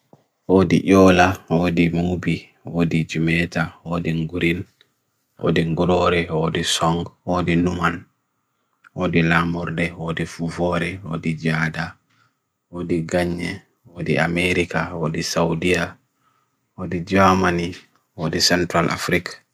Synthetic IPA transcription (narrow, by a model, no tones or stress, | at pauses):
wodḭʔɔːlawodimubi | woːdid͡ʒumɛtawoːdiŋɡuɾin | ʔo̰ːdiŋɡuɾɔɾɛwoːdisɔŋɡwoːdinuman | woːdilamɔɾdɛwoːdifuvɔɾɛwo̰ːdid͡ʒaːda | woːdiɡaɲːɛ̰ | woːdia̰mɛɾikawoːdisawdija | woːdid͡ʒamani | woːdisɛntɾalʔa̰fɾik